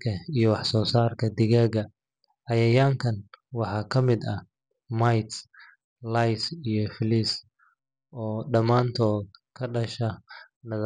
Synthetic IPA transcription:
kʰɐijɞwɑħsɔːsaːrkʰɐd̪ɪɣaːɣɐ | ʕɑjɐjaːŋkʰɐnwɑħɑːkʰɐmɪd̪ɐ | majt̪ | lajsijɞflis | ʔɔːɖɐmaːnt̪ʰɔːd̪̚kʰɐɖɐʃɐ | nɐð

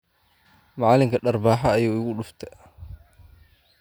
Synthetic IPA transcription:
mɑʕɑːlɪŋkʰɐɖɐrbaːħɐːjuːɪɣʊɗʊft̪ʰɐ

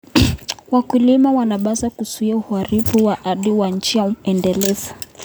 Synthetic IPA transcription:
wakulimawanaɓazakusuiauhaɾifuwaʔaɗiwaɲ̩t͡ʃijaɛndɛlɛza

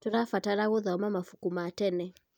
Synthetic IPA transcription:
tɔɾafataɾaɣɔðaɔmamafu̥kumatɛnɛ

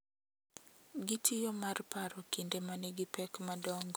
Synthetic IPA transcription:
ɡitʰijɔmarpaɾɔkindemanɛɡɪpɛkmadɔŋɡ

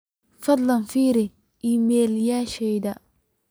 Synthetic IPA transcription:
fɐd̪lɐnfiːɾi | ʔimeljaʃejda

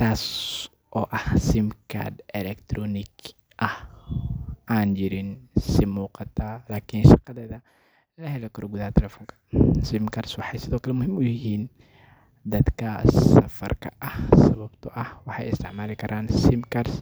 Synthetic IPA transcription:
t̪ʰaːs | ʔɔːʔɐhsɪmkʰa̰d̪ɛlɛkt̪ʰɾɔnɪɡ | ʔɐh | ʔaːnd͡ʒɪɾɪnsɪmuːqɑt̪ʰaːlaːkʰinʃɑqɑðɛːðɐ | lɐɦɛlɛkʰɐɾɔɡuðɐɐt̪ʰɛlɛːfɔːŋkʰɐ̥sɪmkʰɐrswɑħɑjsɪðɔːkʰɐlɛmʊɦɪmʊjɪhiːn | d̪ɐd̪kʰɐsɐfɐ̰rkʰɐ̰ʔɐhsɐβɐbt̪ʰɔʔɐhwɑħɑ̰jɪ̰st̪ʰɪʕmaːlɪkʰɐɾʔaːnsɪmkʰaɾs

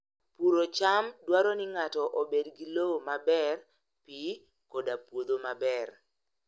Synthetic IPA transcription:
puɾot͡ʃamdwaɾɔnɪŋatɔʔobedɡilowomabɛr | pi | kodapwod̪omabɛr

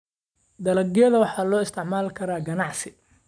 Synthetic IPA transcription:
d̪ɐlɐɡjɐðɐwɑħɑːlɔːɪst̪ʰɛʕmaːlkʰɐɾaːɡɐnɑʕsɪ

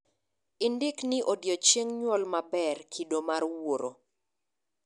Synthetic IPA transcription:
ɪndɪknɪʔodjɔt͡ʃjeŋɲwɔlmabɛrkʰidomarwoɾo

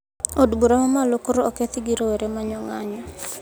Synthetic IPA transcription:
odbuɾamamalokoɾoɔket̪ɪɡiɾoeɾemaɲɔŋaɲɔ

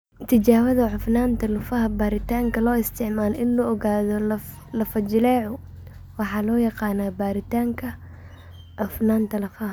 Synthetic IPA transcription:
t̪ʰɪt͡ʃaːwɐðɐʕʊfnaːnt̪ʰɐlʊfɐɦɐbaːɾɪt̪ʰaːŋkʰɐlɔːɪst̪ʰɪʕmaːlɔʔɪnlʊʔɔɣaːðɔ | lɐfɐd͡ʒɪlɛːʕʊ | wɑħɑːlɔːjɑqɑːnaːbaːɾɪt̪ʰaːŋkʰɐ | ʕʊfnaːnt̪ʰɐlɐfɐɦɐ

